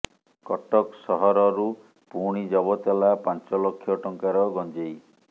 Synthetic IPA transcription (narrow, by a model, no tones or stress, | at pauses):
kɔʈɔksɔɦɔɾɔɾu | puɽ̃id͡ʒɔbɔt̪elapant͡ʃɔlokʰːjɔʈɔŋkaɾɔɡɔnd͡ʒej